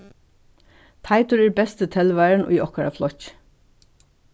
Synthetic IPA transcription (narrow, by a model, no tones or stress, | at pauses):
t̪ʰaɪt̪ʊɹɛːɹbɛst̪ət̪ʰɛlʋæɪɾɳʊ̰jɔhkaɾa̰flɔc